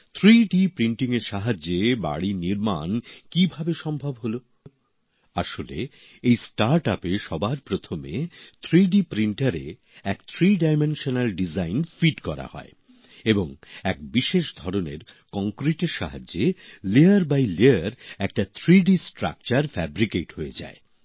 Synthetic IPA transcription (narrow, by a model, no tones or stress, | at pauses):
t̪ʰɾiɖipɾiɳʈiŋeɾʃaɦad͡ʑːeba̰ɽiniɾma̰nkibʱabeʃɔmbʱabɦolo | aʃolḛ | ejsʈaɾʈapeʃɔbaɾpɾot̪ʰomḛt̪ʰɾiɖipɾiɳʈaɾḛ | ɛkt̪ʰɾiɖajmenʃonalɖid͡ʑajnfiʈkɔɾa̰hɔ̰e | eboŋɛk̚biʃeʃd̪ʱɔɾoneɾkɔŋkɾiʈeɾʃaɦa̰d͡ʑːeleaɾbajleaɾɛkʈat̪ʰɾiɖisʈɾa̰k̚t͡ɕaɾfɛbɾikeʈɦoed͡ʑa̰e